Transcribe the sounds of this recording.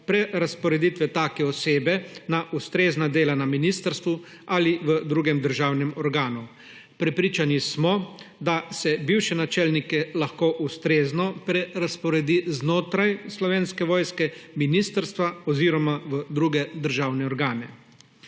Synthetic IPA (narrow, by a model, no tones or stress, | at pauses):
pɾɛɾaspɔɾɛd̪it̪ʋɛt̪aːkɛɔseːbɛnaʔust̪ɾeːznad̪eːlanaminiːst̪əɾst̪ʋu | aliʋəd̪ɾuːɡɛmd̪əɾʒaːwnɛmɔɾɡaːnu | pɾɛpɾiːt͡ʃanismɔd̪asɛbiwʃɛnat͡ʃɛlnikɛlaxkoːʔust̪ɾeːznɔpɾɛɾaspɔɾɛd̪iznoːt̪ɾajslɔʋeːnskɛʋɔːjskɛminiːst̪əɾst̪ʋaɔziːɾɔmaʋəd̪ɾuːɡɛd̪əɾʒaːwnɛɔɾɡaːnɛ